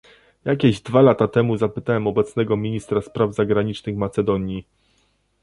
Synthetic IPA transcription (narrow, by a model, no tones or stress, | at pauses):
jakʲɛʑd̪valat̪at̪ɛmuzapɘt̪awɛmɔbɛt̪snɛɡɔmʲiɲist̪ɾaspɾavzaɡɾaɲit͡ʂnɘxmat̪sɛd̪ɔɲji